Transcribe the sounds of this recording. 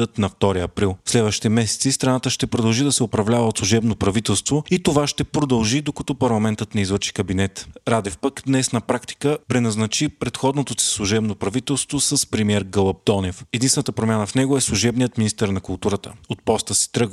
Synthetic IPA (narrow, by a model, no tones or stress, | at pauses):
ət̪nɐft̪ɔɾiɐpɾilˠslɛd̪vəʃi̥t̪ɛmɛsɛ̥t̪sist̪ɾɐnat̪əʃt̪ɛpɾod̪ɐlˠʒid̪ɐsɛopɾɐvlʲavəot̪slˠuʒɛbnopɾɐvit̪ɛlˠst̪voit̪ovaʃt̪ɛpɾod̪ɐlˠʒid̪okɐt̪ɔpɐɾlˠɐmɛnt̪ət̪nɛizvəɾʃi̥kɐbinɛt̪ɾad̪ɛfpəkd̪nɛsnɐpɾakt̪i̥kəpɾɛnɐznɐt͡ʃipɾɛt̪xɔd̪not̪osi̥slˠuʒɛbnopɾɐvit̪ɛlˠst̪vosəspɾɛmiɛɾɡɤlˠəp̚d̪ɔnɛfɛd̪insvɛnət̪əpɾomʲjanəfnɛɡoɛslˠuʒɛbnijət̪minist̪əɾnɐkʊlˠt̪uɾət̪ə̰ot̪̚pɔst̪əst̪ɾɤɡ